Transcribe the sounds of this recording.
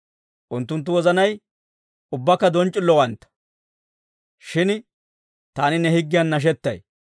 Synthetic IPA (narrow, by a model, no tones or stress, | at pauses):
ʔʊnt̪ːʊnt̪̬ːʊwɔzɐnɐj | ʊbːɐkːɐd̪ɔnt͡ʃʼːɪlːɔwɐnt̪ːɐ̥ | ʃɪn | t̪aːnɪnɛhɪɡːɪjɐnːɐʃ̬ɛt̪ːɐ̰j